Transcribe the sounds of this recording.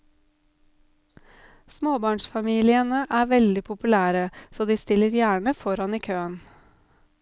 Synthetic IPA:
smoːbɑːɳʃfɑmiːlɪənəʔæːʋɛld̪ɪpʰʊpʉlæːɾəsoːd̪iːst̪ɪləɾjæːɳəfɔɾɑniːkʰøːən

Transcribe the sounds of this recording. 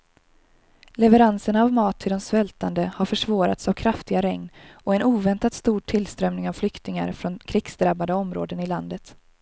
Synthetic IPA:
lɛvəɾansənavmɑːt̪ʰːɪld̪ɔmsvɛlt̪ʰand̪əhaɾfœʂvɑːɾa̰t̪savkʰɾaft̪ɪɡaɾɛŋnɔɛnuːvɛnt̪at̪st̪uːʈʰːɪlst̪ɾœmnɪŋavflʏkt̪ɪŋa̰ɾfɾɔnkʰɾɪɡ̥sd̪ɾabːad̪əɔmɾo̰ːd̪ənɪland̪ət̪

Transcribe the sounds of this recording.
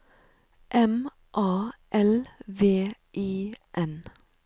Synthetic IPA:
ʔɛm | ʔɑːʔɛlʋeːʔiːʔɛn

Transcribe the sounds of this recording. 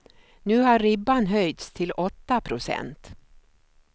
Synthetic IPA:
nʉ̟ːhaɾːɪbːanɦœjt̪st̪ʰɪlʔɔt̪ːapʰɾʊsɛ̰nt̪

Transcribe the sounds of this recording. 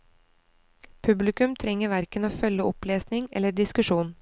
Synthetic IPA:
pʰʉblɪkʉmt̪ʰɾɛŋəɾʋæɾkənoːfœləɔpleːsnɪŋɛ̰ləɖ̪ɪskʉʃuːn

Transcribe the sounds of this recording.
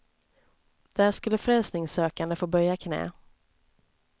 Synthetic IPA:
d̪̥æːʂkɵlːəfɾɛlsnɪŋsøːkand̪əfoːbœɾjakʰnɛ̰ː

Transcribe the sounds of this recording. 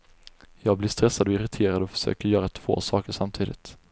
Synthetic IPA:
jɑːɡblɪʂst̪ɾɛsːad̪ɔɪɾɪt̪ʰeːɾad̪ɔfœ̥ʂø̰ːkəɾjœːɾat̪ʰv̥o̰ːsɑːkəʂamt̪ʰiːd̪ɪ̰t̪

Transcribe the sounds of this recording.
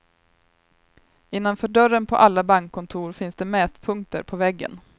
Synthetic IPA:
ɪnːanfœːɖœɾənpʰɔ̰ʔalːabaŋkʰːɔnt̪ʰuːɾfɪnsd̪ɛmɛːst̪pʰɵŋkt̪ə̰ɾpʰɔvɛɡːə̰n

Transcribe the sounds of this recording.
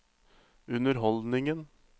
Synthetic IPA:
ʉnəɾɦɔld̪nɪŋən

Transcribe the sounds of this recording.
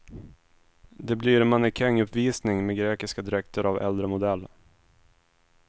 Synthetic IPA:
d̪ɛbliɾmanɪkʰɛŋːɵpviːsnɪŋmeɡɾeːkɪskad̪ɪɾɛkt̪ʰəɾavɛ̰ld̪ɾəmʊd̪ɛlː

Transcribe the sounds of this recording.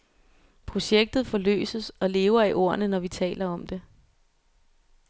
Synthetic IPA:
pʰʁo̝ɕeɡ̥̚d̥ð̩ˠfɒ̽lø̰ːsəsɒ̽le̝ːʊɐiʔo̝ɐnənɒʋit͡sʰɛ̰ːlɐɒ̽md̥e̝

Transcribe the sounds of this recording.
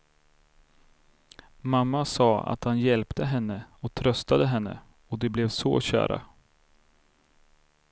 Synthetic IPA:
mamːasɑːa̰t̪hanjɛlpt̪ʰəɦɛnːəɔt̪ʰɾœst̪ad̪əɦɛnːə̰ | ɔd̪ɛblɛvso̰ːɕæ̰ːɾa̰

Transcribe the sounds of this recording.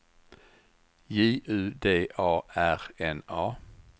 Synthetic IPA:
jiːʔʉːd̪eːʔɑːæʁɛnɑː

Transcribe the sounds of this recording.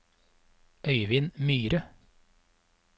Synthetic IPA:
ʔœʏʋɪːnmyːɾə

